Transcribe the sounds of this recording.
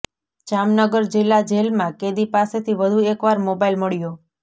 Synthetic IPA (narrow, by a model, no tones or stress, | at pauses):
d͡ʒamnəɡəɾd͡ʒɪlːad͡ʒelmãked̪ipaset̪ʰiʋəd̪ʱuekʋaɾmobailməɭjo